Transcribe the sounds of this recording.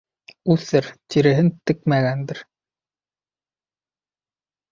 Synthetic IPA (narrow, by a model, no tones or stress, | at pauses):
ʉθɘɾt̪iɾɘ̆ɦɘnt̪ɘ̆k̚mæɣænd̪ɘɾ